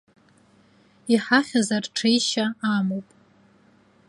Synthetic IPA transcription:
iħaχʲazarʈ͡ʂʰejʃaamowpʼ

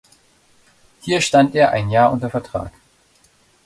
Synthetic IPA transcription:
hiːɐʃtantʔeːɐʔa̰ɪnjaːɐʔʊntɐfɛɐtʁ̥a̰ːk

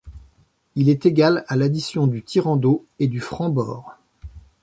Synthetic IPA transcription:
ilɛt̪eɡʲalalad̪isjɔ̃d̪yt̪ʰiʁɑ̃d̪oed̪yfχɑ̃bɔ̰ːʁ

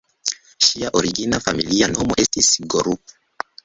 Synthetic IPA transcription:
ʃiaʔɔɾiɡinafamilianɔmɔʔɛstisiɡɔɾup

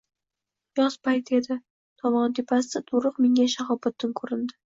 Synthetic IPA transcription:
jɒz̥pʰajt̪ʰe̞d̪ɪ | t̪ʰɒmɒnt̪ʰepʰasd̪at̪ʰoɾʊqmeŋaʃaχɒbat̪ʰːɪnkʰɵɾɪnd̪ɪ

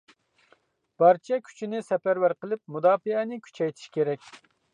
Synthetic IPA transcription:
b̥ɑɾt͡ʃʰɛkʲʰy̥t͡ʃʰinɪsɛpæɾwæɾqəlˠɨp̚mud̪ɑːfɨɛnɪkʲʰy̥t͡ʃʰɛjt̪ʰi̥ʃkʲʰeɾɛkʲ

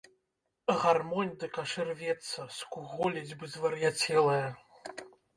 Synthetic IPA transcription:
ɣarmɔnʲd̪ɨkaʂɨrvʲɛt̪sɐskuɣɔlʲɐd͡zʲbɨzvɐɾjat͡sʲɛlˠɐjɐ

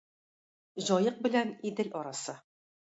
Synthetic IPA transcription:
ʑɒjɤq̚bɘ̆lænid̪ɘlʔɒɾɑsɤ

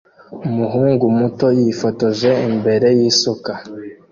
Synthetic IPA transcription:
umuɦuːŋɡumuto̞jifoto̞ʒe̞imbe̞ɾe̞jiːsuka

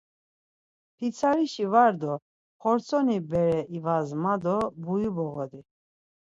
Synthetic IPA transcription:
pʰit͡sʰaɾiʃivaɾd̪ɔ | χɔɾt͡sʰɔnibɛɾɛʔivazmad̪ɔbujubɔɣɔd̪i

